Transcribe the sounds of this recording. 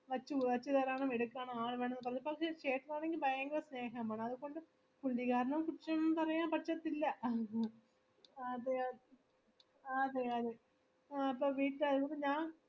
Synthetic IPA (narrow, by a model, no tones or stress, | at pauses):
ʋɐt͡ɕːɨulɐt͡ɕːɨðɐɾaːɳɨmeɽukːaːɳɐaːɭʋeːɳɐnːɨpɐrɐɲːɐpɐkʂet͡ɕeːʈːilaːɳeŋɡilbʱɐjɐŋɡɐlɐsne̞ːɦɐmaːɳɐðukːoɳɖɨ | puɭːiɣaːɾɐɳɐmkuʈt͡ɕɐmpɐrɐjːaːmpɐʈʂɐt̪ːilːɐ | ɐð | ɐðɨɐðɨ | ɐpːoːʋiːʈːlɐðuɐpːoɲaːn